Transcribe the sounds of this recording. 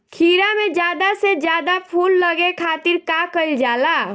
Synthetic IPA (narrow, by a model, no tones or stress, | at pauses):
kʰiːɾamẽd͡ʒjaːd̪ased͡ʒjaːd̪apʰuːlːəɡekʰaːt̪iɾkakəld͡ʒaːla